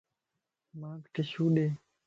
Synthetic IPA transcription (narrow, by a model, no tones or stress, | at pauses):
maːt̪keɕuːɗeː